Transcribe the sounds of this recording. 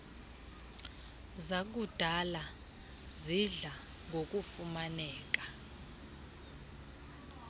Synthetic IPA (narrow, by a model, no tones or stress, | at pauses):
zak̬ud̥ʱala | ziɮa | ŋʱok̬ʼufumanɛːk̬ʼḁ